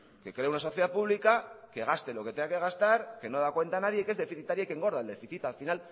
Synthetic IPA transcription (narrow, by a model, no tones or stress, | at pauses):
ke̞kɾe̞unaso̞θjeðapuβlikake̞ɣ̞ast̪elo̞ke̞t̪eake̞ɣast̪aɾke̞no̞ð̞akwe̞nt̪anað̞je̞ke̞zðe̞fiθit̪aɾjaike̞ŋɡo̞ɾðaeld̪e̞fiθit̪alfinal